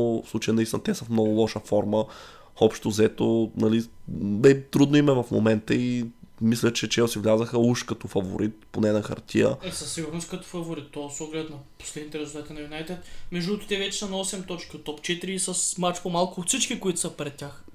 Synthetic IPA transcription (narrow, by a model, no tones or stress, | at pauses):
fslˠut͡ʃəjənɐist̪inɐt̪ɛsəfmnɔɡʊlˠɔʃəfɔɾmə | ɔpʃt̪ozɛt̪onɐlibɛt̪ɾud̪noimɛvɐfmo̰mɛnt̪əimislʲət͡ʃɛt͡ʃɛosivlʲazəxəuʃkɐt̪ɔfɐvo̰ɾʔit̪̚ponɛnɐxɐ̰ɾt̪ʲʰiə̰ɛsɐsːiɡʊɾnoskɐt̪o̥fɐvoɾit̪ːɔsɔɡlɛt̪nɐpo̥slɛd̪it̪ɛɾɛzulˠt̪at̪inɛvinajt̪ɛt̪mɛʒd̪ut̪t̪ɛvɛt͡ʃɛ̥sɐnɐɔsɛmt̪ɔt͡ʃkiot̪ːɔpt͡ʃɛt̪iɾiːsɐsmat͡ʃpomalˠkʊːt̪sit͡ʃkikoit̪ʊ̥səpɾɛt̪̚tːʲax